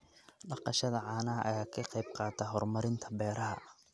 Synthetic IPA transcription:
ɖɑqɑʃɐðɐʕɑːnɐɐʔɐjaːkʰɑqɑjb̚qɑːt̪ʰɛɦɔrmɐɾɪnt̪ʰɐ̥bɛːɾɐɦɐ̰

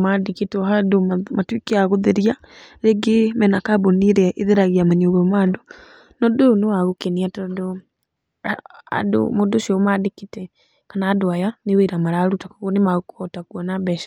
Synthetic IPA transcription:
madeketɔhadomatwikeaɣoðeɾia | ɾeɡemɛnakaboniɾɛʔeðeɾaɣeamanioɣɛmado | nɔdoonowaɣokeniatɔdo | a̰do̰modoʃiɔmadekitɛ | kanaːdoajaneweɾamaɾaːɾutakɔɣɔnemaɣokɔtakuɔnabɛʃḁ

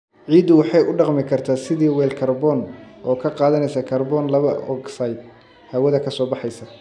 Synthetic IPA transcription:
ʕiːd̪ʊwɑħɑjʊɖɑqmɪkʰɐrt̪ʰaːsɪðiːwɛːlkʰɐrbɔːnʔɔːkʰɐqɑːðɐnɛjsɐkʰɐrbɔːnlɐβɐʔɔ̰ɡsɐjd̪ | hɐwɐðɐkʰɐsɔːbɑħɑjsɐ

